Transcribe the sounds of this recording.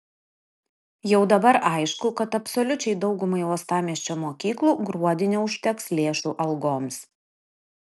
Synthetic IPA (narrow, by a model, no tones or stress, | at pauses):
jɛʊd̪ɐbɐɾʔɐɪʃkʊkɐt̪ɐpsɔlʲʊt͡ʃʲɛɪd̪ɒʊɡʊmɐɪuɔst̪ɑːmʲiɛsʲt͡ʃʲoːmoːkʲiːklˠuːɡɾuɔd̪ʲɪnʲoʊʃʲt̪ʲɛkslʲeːʃuːʔɐlˠɡoːms